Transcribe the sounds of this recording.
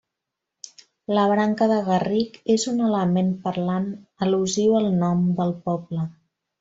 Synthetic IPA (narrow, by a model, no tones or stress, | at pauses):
ləβɾaŋkəðəɣərikezunələmempəɾlanəluziwəlˠnɔmd̪əlˠpɔblə